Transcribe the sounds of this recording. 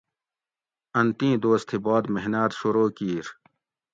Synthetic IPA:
ɐnt̪ĩːd̪oːst̪ʰiboːd̪meɦnaːt̪ɕuɾoːkiːɾ

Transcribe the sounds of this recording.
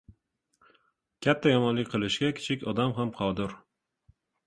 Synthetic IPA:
kʲʰat̪ʰːajɒmɒnlɪkʲqʰɨlɪʃɡʲakʲʰɪ̥t͡ʃʰɪkʲɒd̪amɦamqʰɒd̪ɪɾ

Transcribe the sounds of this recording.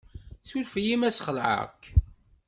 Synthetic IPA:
sulfjimæsχəlʕə̰k

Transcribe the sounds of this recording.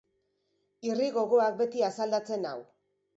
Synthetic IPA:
iriɣo̞ɣo̞ak̚be̞t̪iasald̪at͡se̞na̰w

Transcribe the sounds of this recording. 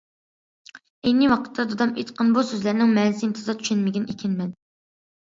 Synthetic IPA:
enːɪwɑqʰə̥t̪ʰːɑd̪od̪ɑmet̪qʰənbusøzlæɾnɪŋmɛnsɪint̪ʰɨzɑt̪ʰy̥ʃɛnmɪɡʲɛnʔekʲʰɪnmɛn

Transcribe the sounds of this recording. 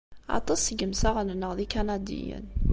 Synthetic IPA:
ɑ̰t̪ˤɑsəɡəmsaʁnənːəʁðikænæd̪ḭjə̰n

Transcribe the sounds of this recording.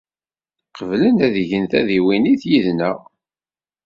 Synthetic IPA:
qəvlənæðʝənθæðiwiniθjiðnə̰ʁ

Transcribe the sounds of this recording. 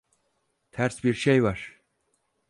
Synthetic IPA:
t̪ʰæɾsbiɾʃejvaɾ̥

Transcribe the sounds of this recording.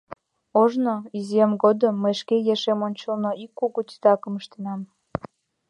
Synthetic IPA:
oʒnoizijemɡod̪əmːəjʃkejeʃemonʲt͡ɕəlnoikːuɣut̪i̥t̪ɑkəməʃt̪enɑm

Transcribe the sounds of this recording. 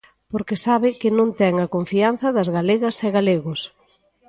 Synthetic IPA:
poɾkesaβɪkɪnõŋt̪ɛŋɐkoɱfian̟θɐðɐzɣaleɣɐsɛɣaleɣʊs

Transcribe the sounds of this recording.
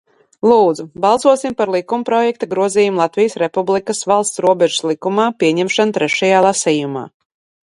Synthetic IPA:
lˠuːd̪zubɑlˠsuɔsimpaɾlˠikumpɾɔjɛk̚t̪aɡɾuɔziːjumulˠat̪vijsɾɛpublˠikasvalˠst̪sɾuɔbɛʒu̥slˠikumaːpiɛɲɛmʃant̪ɾɛʃajaːlˠasiːjuma̰ː

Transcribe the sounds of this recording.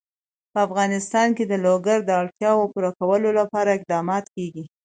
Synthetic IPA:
pəafɣɑnɪst̪ɑnked̪əloɡaɾd̪əɑlt̪jɑwopuɾakawəlolapɑɾaɪq̚d̪ɑmɑt̪keɡi

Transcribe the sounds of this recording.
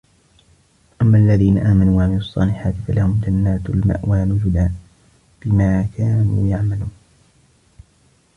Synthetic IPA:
ʔamːaːʔalːaðiːnaʔaːmanuːaʕamɪlʊɑsˤːɑːlɪħaːt̪ɪfalahʊmd͡ʒanːaːt̪lma̰ʔwaːlʊd͡ʒʊd̪aː | b̥ɪmaːkʰaːnṵːjaʕmaluːn

